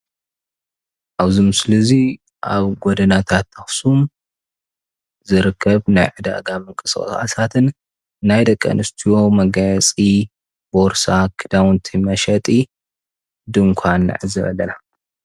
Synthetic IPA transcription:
ʔaβzimɨslɨzi | ʔa̰βɡod̪ɐnat̪ʰat̪ːɐxsum | zɨɾɨkʰːɐβnajʕɨd̪a̰ɡamɨŋkʼɨsxʼɐ̰xʼa̰sat̪ʰɨn | nːajd̪ɐkʼːɐ̰nɨst̪ʰiwo̞mɐɡajt͡sʼi | boɾsakʰɨd̪awnt̪ʰimɐʃɐt̪ʼi | d̪ɨŋkʷʰanːɨ̰ʕɨzɐβɐ̰lːɐna

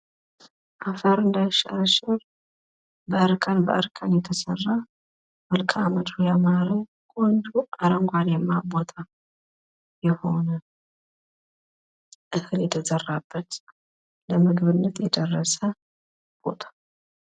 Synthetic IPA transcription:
ʔafəɾɨnd̪ajʃə̰ɾəʃɪɾ | bəʔəɾkʰənbə̰ʔəɾkʰənjɛt̪ʰəsərːa | mɨlkʼaməd̪ɾujamaɾi | kʼɔnd̪uʔaɾəŋɡʷaljɛmːabot̪ʰa | jɛho̞nə | ʔɨhɨljɛt̪ʰəzərːabːət̪ | ləmɨɡβɨnːət̪ʰjɛd̪ərːəsə | b̥o̰t̪ʰḁ

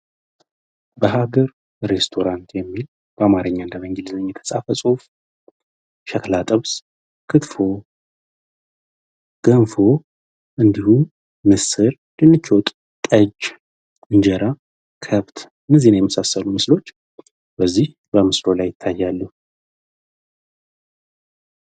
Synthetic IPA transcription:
bəɦaɡəɾ | ɾe̞st̪ʰo̞ɾant̪jɛmːil | b̥əamaɾɨɲːaɨnd̪əməŋɡelzəɲːɛt̪ʰəsʼafəsʼof | ʃəklat̪ʼəβs | kʰɨt̪fo̞ | ɡ̥ənfo̞ | ʔɨnd̪ihum | mɨsɨɾ | d̪̥ɨnːɨt͡ʃʰːowt̪ʼ | t̪ʼəd͡ʒ | ɨnd͡ʒəɾa | kʰəβt̪ʰ | nɨzenajɛməsasːəlumɨslo̞t͡ʃː | b̥əzːih | bəmɨslo̞lajːɪt̪ʰːajːalːuh

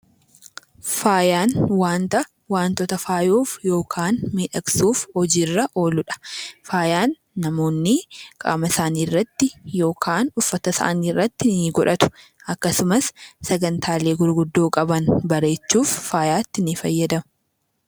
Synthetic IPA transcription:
faːjaːnwaːnt̪ɐ | waːnt̪ɔt̪ɐfaːjoːfjo̞ːkʰaːnmiːᶑɐksuːfhɔd͡ʒirːɐʔo̞ːlʊᶑɐ̥faːjaːnː | ɐmo̞ːnːɪkʼa̰ːmɐsaːniːrːɐt̪ːɪjo̞ːkʰaːnʊfːɐt̪ɐsa̰ːniːrːɐt̪ːɪnɪɡɔᶑɐt̪ʊ̥ | ɐkːɐsʊmɐsːɐɡɐnt̪ʰaːle̞ːɡʊɾɡʊd̪ːoːkʼɐbɐnbɐɾe̞ːt͡ʃːuːfːaːjaːt̪ːɪnɪfɐjːɐd̪ɐm

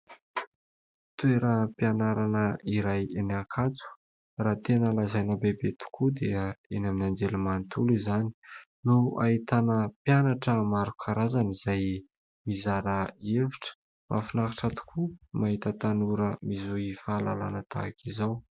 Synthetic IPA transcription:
t̪uweɾəpianaɾanəiɾajenakʰat͡su̥ | raːt̪enəlazajnəbebet̪u̥kʰud̪eəenaminand͡zelumant̪ulizani̥ | nua̰it̪anəpjanaʈ͡ʂəmaɾukʰaɾazanizaj | mizaɾəeviʈ͡ʂə̥ | ma̰finakiʈ͡ʂat̪u̥kʰumaɦit̪ət̪anuɾəmizuiifaːla̰la̰nət̪ʰa̰kizaw

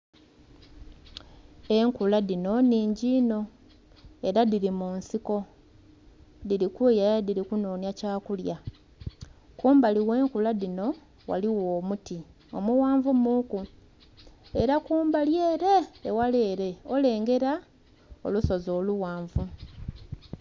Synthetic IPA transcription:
e̞ŋkulaðino̞niːɲɟiːno̞ | e̞ɾaðiɾimuːnsiko̞ | ðiɾikujadiɾikuno̞ːnjacaːkulja | kuːmbaliwe̞ːŋkulaðino̞ | wa̰liwoːmuti | o̞̰muwaːɱvumuku | e̞ɾakuːmbalje̞ːɾe̞ːwaleːɾe̞o̞le̞ːŋɡe̞ɾa | o̞̰luso̞zo̞ːluwaːɱvu

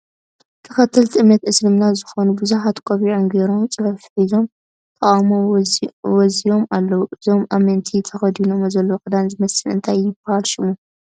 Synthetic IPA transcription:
t̪ʰɐxɐt̪ʰːɐlt̪ʰiʔɨmnɐt̪ʔɨslɨmnazɨxonubuzuħat̪kʼoβiʕonɡeɾo̞mt͡sʼɨβɐfħizo̞m | t̪ʰʼɐamo | wɔzijo̞malːɐwuʔɨzo̞mʔamɐnt̪ʰit̪ʰɐxɐd̪inomɐzɐlːokʼɨd̪anzɨmɐsɨlɨ̰nt̪ʰajːɪbahalʃɪmu

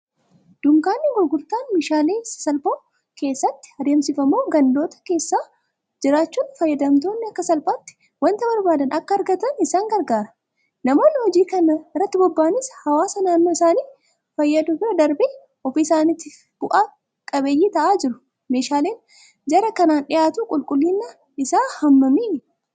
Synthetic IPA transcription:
d̪̥ʊŋkaːnːɪɡʊɾɡʊɾt̪aːnmeːʃaːleːsɐlboː | ke̞ːsːɐt̪ːɪ̥ɐd̪eːmsɪfɐmoːɡɐnd̪o̞ːt̪ɐ̥ke̞ːsːaː | d͡ʒɪɾaːt͡ʃːuːnfɐjːɐd̪ɐmt̪o̞ːnːɐkːɐsɐlpaːt̪ːɪ̥ | wɐnt̪ɐbɐɾbaːd̪ɐnɐkːɐɐɾɡɐt̪ɐnɪsaːŋɡɐɾɡaːɾɐ̥ | nɐmo̞ːnːɪhɔd͡ʒiːkɐnɐɪrːɐt̪ːɪbɔbːaːnɪshɐwaːsɐnaːnːoːɪsaːniː | fɐjːɐd̪ʊbɪɾɐd̪ɐɾbe | ɔfiːsaːnɪt̪ːɪ | b̥ʊʔaː | kʼɐbeːjːiːt̪ɐʔaːd͡ʒɪɾʊ̥ | me̞ːʃaːleːn | d͡ʒɐɾɐkɐnaːnᶑɪʔaːt̪uːkʼʊlkʼʊlːinːɐ | ɪsaːhɐmːɐmiː

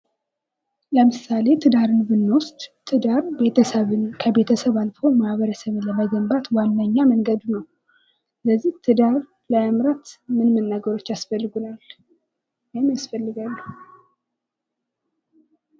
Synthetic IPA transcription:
ləmɨsale̞t̪ʰɨd̪aɾɨnbɨnːost̪t̪ʰɨd̪aɾbe̞t̪ʰəsəβɨnkʰəbe̞t̪ʰəsəβalfo̞mahβəɾəsəβɨnləməɡəmbat̪wanːaɲːaməŋɡəd̪unəw | sɨləzːiht̪ʰɨd̪aɾ | ləəmɾat̪mɨnmənːaɡəɾo̞t͡ʃːasfəlːɨɡunal | jmjasfəlːɨɡalːu

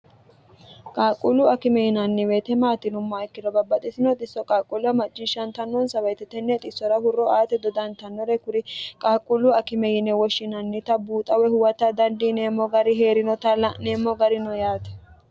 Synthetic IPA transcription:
kʼaːkʼulʊɐkɪmɛjɪnɐnːɪweːt̪ɛmaːt̪ɪnʊmːaɪkːɪd̪ɔbɐbːɐt̪ʼɪsɪnɔt̪ʼɪsːɔkʼaːkʼulʊɐmɐt͡ʃʼːɪʃɐnt̪ɐnːɔnsɐwɐjt̪ɛt̪ɛnːɛt̪ʼɪsːɔɾɐhʊrːɔaːt̪ɛd̪ɔd̪ɐnt̪ɐnːɔɾɛkʊɾɪkʼaːkʼulʊɐkɪmɛjɪnɛwɔʃːɪnɐnːɪt̪ɐbuːt̪ʼɐwɛhʊwɐt̪ːɐd̪ɐnd̪ineːmɔɡɐɾɪɦeːɾɪnɔt̪ɐlneːmːɔɡɐɾɪnɔjaːt̪ɛ̥

